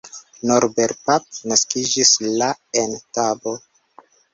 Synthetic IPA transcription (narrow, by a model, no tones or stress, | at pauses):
noɾbe̞ɾpap̚naskid͡ʒislaentabo̞